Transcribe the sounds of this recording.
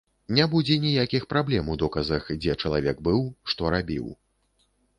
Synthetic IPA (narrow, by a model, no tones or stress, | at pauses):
nʲɛbud͡zʲɛnʲijakʲixpɾablʲɛmud̪ɔkɐzɐxd͡zʲɛt͡ʂɐlˠavʲɛɡ̚bɨwʂt̪ɔɾabʲḭw